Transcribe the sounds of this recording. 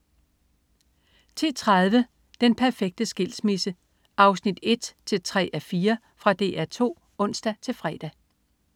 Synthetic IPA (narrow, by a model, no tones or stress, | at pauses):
t͡sʰe̝t͡sʰʁað̞ˠʋə | d̥enpʰæɐfeɡ̥̚d̥əsɡ̥e̝l̰smisə | ʔɑ̈ʊsnid̥e̝d̥t͡sʰe̝lt͡sʰʁɛ̰ːʔæfiːɐ | fʁɑ̈d̥e̝̰ːæɐ̰t͡sʰo̝̰ː | ɔ̽n̰sd̥æt͡sʰe̝lfʁɛːd̥æ